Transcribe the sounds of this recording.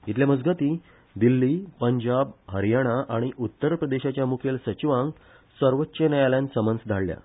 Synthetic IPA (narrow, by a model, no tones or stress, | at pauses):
it̪ljaməd͡zɡət̪i | d̪ilːipəɲd͡ʑabɦəɾjaɽ̃aʔaɽ̃iʔut̪ːəɾpɾəd̪eɕat͡ɕjamukʰelsət͡ɕiʋãŋɡ | səɾʋətːɕənəjaljãnsəmənd͡zd̪ʱaɭːja̰